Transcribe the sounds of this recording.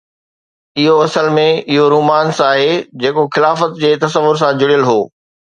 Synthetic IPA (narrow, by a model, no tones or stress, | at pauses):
ɪɦoɐsəlmẽɪɦoɾuːmaːnsaːɦeːd͡ʑeːkoxɪlaːfət̪d͡ʑeːt̪ɐsəʋʊɾs̬ãd͡ʑʊɽijəlɦoː